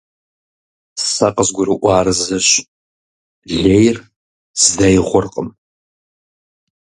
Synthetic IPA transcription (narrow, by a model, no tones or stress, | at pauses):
sɐqəzɡʷʊɾɨʔʷɑːɾɨzɐɕ | ɮejr | z̥ɨdɐjʁʷʊrqʼəm